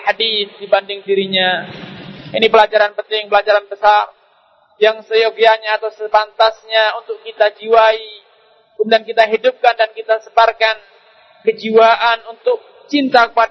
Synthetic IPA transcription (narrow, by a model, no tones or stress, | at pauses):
ħadiθdibandɪŋdiɾiɲa | inipəlad͡ʒaɾanpənt̪ɪŋpəlad͡ʒaɾanbəsar | jaŋsəjokjaɲaːt̪awsəpant̪asɲaunt̪ʊkkit̪ad͡ʒiwai | dankit̪aɦidʊp̚kandankit̪asəbarkan | kəd͡ʒiwaʔanunt̪ʊk̚ | t͡ʃint̪akəpad